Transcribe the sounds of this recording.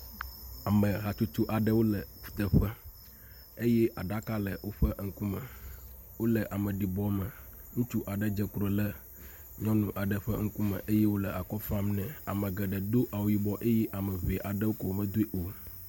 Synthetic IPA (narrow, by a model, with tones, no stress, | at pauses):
a˨mə̃˨ɦa˨t͡ʃu˦t̪u˦ʔa˨ɖə˦wo˦lə˨ɸu̥˨t̪ə˨ɸɛ˦ | e˦jɛ˦ʔa˨ɖa˦ka˦lə˨wo˦ɸə˦ŋ̩˦ku˦mə˨wo˦lə˨ʔa˨mə˨ɖi˨bɔ˦mə̃˨ŋũ˦t͡ʃu˦ʔa˨ɖə˦d͡ʒə˦kɾo˨lə˦ | ɲɔ̃˦nũ˨ʔa˨ɖə˨ɸə˦ŋ̩˦ku˦mə̰̃˨ʔe˦je˦wo˦lə˨ʔa˨kɔ˦fã˦mnɛ̃˨a˨mə̃˨ɡə˨ɖə˨d̪o˦ʔa˨wo˨ji˦bɔ˦ʔe˦je˦ʔa˨mə˨ve˨ʔa˨ɖə˦wo˦ko˨wo˨˦mə̃˨d̪o˦e˦ʔo˨